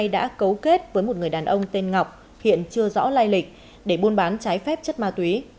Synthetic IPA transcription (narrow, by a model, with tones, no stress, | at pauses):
jɗa̰ː˧˥kə˨˦wke˦˥t̚vəː˨˦jmo˨˩t̚ŋɨ˨˩əjɗaː˨˩nʔə˧wŋ͡mt̪e˧nŋa˨˩wk͡p̚ | hḭ˧˨ənt͡ɕɨ˧əzɔ̰˧˥laː˧jlï˨˩k̚ | ɗe˧˩ɓu˧nɓaː˨˦nt͡ɕaː˨˦jfɛ˦˥p̚t͡ɕə˦˥t̚maː˧t̪wi˨˦